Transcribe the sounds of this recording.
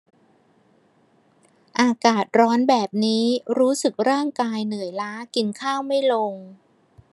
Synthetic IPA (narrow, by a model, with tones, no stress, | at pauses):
ʔaː˧kaː˨˩t̪̚ɾɔː˦˥nbɛː˨˩p̚niː˦˥ɾuː˦˥sɯ˨˩k̚ɾaː˥˩ŋkaː˧jnɯ˩˦əjlaː˦˥ki˧nkʰaː˥˩wma˥˩jlo˧ŋ